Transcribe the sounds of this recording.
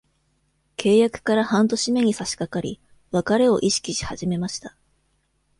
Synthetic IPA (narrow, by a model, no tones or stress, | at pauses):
kʰe̞ːjakɯ̟̥kaɾahãnt̪o̞ɕime̞ɲ̟isaɕi̥kakaɾʲḭ | βakaɾe̞o̞ʔiɕi̥kʲiɕi̥haʑime̞maɕi̥t̪ḁ